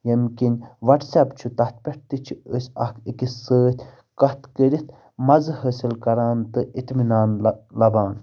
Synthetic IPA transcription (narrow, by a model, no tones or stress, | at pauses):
jəmkinʲʋɐʈsɐpt͡ʃʰut̪ɐht̪̚pʲeʈ̚t̪it͡ʃʰiəsʲɐkʰikisəːt̪ʲ | kɐht̪kəɾʲit̪ | mɐzɨɦəːsilkɐɾaːnt̪ɨit̪minaːnlɐbaːn